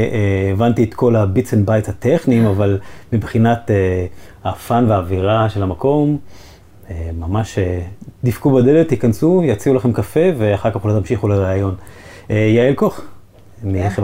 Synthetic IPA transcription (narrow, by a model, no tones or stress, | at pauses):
ʔeːvant̪iet̪kʰo̞labit͡senbajshat̪eχnimavalmibχinat̪ehafanveaːviʁaʃelhamako̞m | emamaʃed̪ifkubad̪elet̪hikansujat͡siulaχemkafeveaχaʁkaχlot̪amʃiχuleʁaːjo̞n | ejaelkoχ | miχev